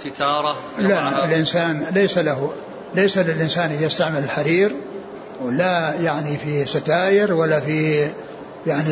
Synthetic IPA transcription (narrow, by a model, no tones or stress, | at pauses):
sɪt̪ɑːɾˤɑ | laɪlʔɪnsaːnlejsalaɦu | lejsalɪlʔɪnsaːnʔɪðajɪst̪aʕmɪlɪlħaɾiːɾ | wlajaʕnifisat̪aːjɪɾwalːafi | jaʕni